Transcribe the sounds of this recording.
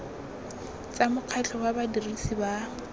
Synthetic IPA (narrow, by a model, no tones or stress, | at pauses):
t͡samʊq͡χʰat͡ɬʰɔwabadirisiba